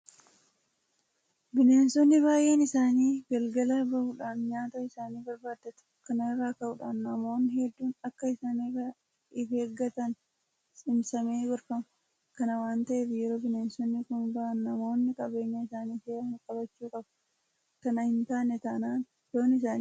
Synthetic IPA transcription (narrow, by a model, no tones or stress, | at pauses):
bɪneːnsɔnːɪβaːjʔeːnɪsaːniːɡɐlɡɐlaːbɐhuːᶑaːnɲaːt̪ɐɪsaːniːbɐɾbaːd̪ːɐt̪ʊ̥kɐnɐɪrːaːkɐʔʊᶑaːnːɐmo̞ːnːɪhɛd̪ːuːnɐkːɐɪsaːneɐ | ɪfeːɡɐt̪ɐn | sʼɪmsɐmeːɡɐɾfɐmɐ | kɐnɐwaːnt̪ɐʔeːfɪjɛɾo̞ːbɪneːnsɔnːɪkʊnbɐʔɐnːɐmo̞ːnːɪkʼɐbe̞ːɲːɐɪsaːniːseːʔɐhɪŋkʼɐbɐt͡ʃːuːkʼɐbɐ̥ | kɐnɐhɪnt̪aːnːɛt̪ɐʔnaːn | joːnɪs̬aːnː